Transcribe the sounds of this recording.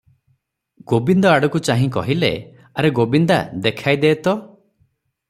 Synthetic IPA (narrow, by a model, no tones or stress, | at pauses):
ɡobind̪ɔaɽɔkut͡ʃaɦĩkɔɦilḛ | aɾeɡobind̪ad̪ekʰajd̪eːt̪ɔ